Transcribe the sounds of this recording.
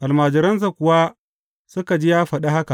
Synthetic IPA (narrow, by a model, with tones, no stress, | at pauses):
ʔa˨lmaː˨d͡ʒɪ˨ɾɐ˦ns̬a˨kʷʊ˨wa˦ | sʊ˦ka˨d͡ʒi˦jaː˦ɸɐ˨ɗa˦ha˦ka˨ʔ